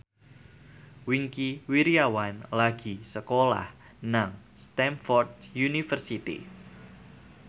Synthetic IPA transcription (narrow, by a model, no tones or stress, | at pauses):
wiŋkiwiɾiawanlaɡ̥i̤səkola̰h | naŋst̪ɛmfɔrd̪̚junifərsit̪ḭ